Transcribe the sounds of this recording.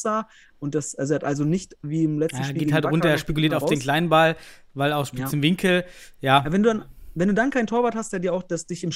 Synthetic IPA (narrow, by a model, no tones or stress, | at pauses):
z̥aː | ʔʊnt̚d̥asɛzɛɐtʔalzonɪçtviːɪmlɛt͡sjatːn̩eɐiɡeːthaltːʁʊntɐeːɐʃpikuliːɐtaʊfdeːnkl̥aɪnənbal | vaɪlaʊxʃpisɪmvɪŋkʰl̩jaːvɛnduːdanvɛnduːdankʰaɪntʰoːɐvaɐthastd̥eːɐdiːɐaʊxd̥asd̥ɪçɪm